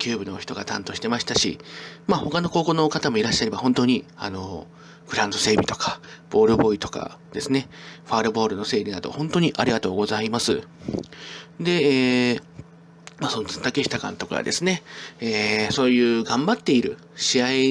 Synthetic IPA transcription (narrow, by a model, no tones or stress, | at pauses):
kʲʰɨːbɯ̟no̞çi̥t̪o̞ɡa̰t̪ã̰nt̪o̞ɕi̥t̪e̞maɕi̥t̪aɕḭmaho̞kano̞ko̞ːko̞no̞kat̪amo̞iɾaɕːaɾe̞bahõ̞nt̪o̞ːɲ̟ia̰no̞ | ɡɯ̟ɾãnd̪ose̞ːbʲit̪o̞̥kḁb̥o̞ːɾɯ̟bo̞it̪o̞̥ka̰d̪e̞sɨne̞ɸaːɾɯ̟bo̞ːɾɯ̟no̞se̞ːɾʲinad̪o̞̰hõ̞nt̪o̞ɲ̟iʔaɾʲiɡat̪o̞ːɡo̞zaimasɨ | d̪e̞eː | masonoɨ̥t̪akeɕi̥t̪akã̰nt̪o̞ka̰a̰d̪e̞sɨne̞eːso̞ːjɯ̟ːɡãmbat̪ːe̞iɾɯ̟̰ | ɕiai